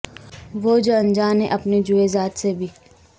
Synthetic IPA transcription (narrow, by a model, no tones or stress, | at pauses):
ʋoːd͡ʒoɐnd͡ʒaːnḛ̃ʔɐpned͡ʒuezaːt̪sebʱiː